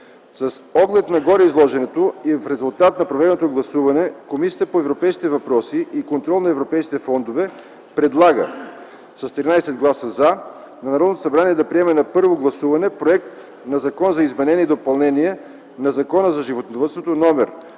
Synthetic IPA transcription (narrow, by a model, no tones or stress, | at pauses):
sɐsɔɡlɛt̪nɐɡɔɾɛizlˠɔʒɛnɛt̪oifɾɛzulˠt̪at̪nɐpɾovɛd̪ɛnot̪oɡlˠɐsuvɐnɛkomisiəpoɛvɾopɛjski̥t̪ɛvɐpɾɔsiʔikont̪ɾɔlˠnɐɛvɾopɛjskit̪ɛfɔnd̪ovɛ | pɾɛd̪lˠaɡə̰ | sɐst̪ɾʲinajsɛd̪̚ɡlˠasəza | nɐnɐɾɔd̪not̪o̥sɐbɾaniɛd̪ɐpɾiɛmɛnɐpɤɾvoɡlˠɐsuvɐnɛpɾoɛkt̪ | nɐzɐkɔnzɐizmɛnɛnʲɛid̪opɐlˠnɛniɛ | nɐzɐkɔnəzɐʒivot̪nd̪ovət̪st̪vot̪onɔmɛɾ